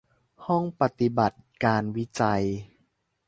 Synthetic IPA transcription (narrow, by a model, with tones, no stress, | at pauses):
hɔ˥˩ŋpa˨˩t̪i˧˩ba˨˩t̪̚kaː˧nwi˦˥t͡ɕa˧j